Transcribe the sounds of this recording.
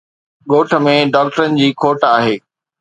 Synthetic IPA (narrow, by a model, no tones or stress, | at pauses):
ɠoːʈʰə̆mẽɖaːk̚ʈəɾənɪ̆d͡ʑiːkʰoːʈaːɦeː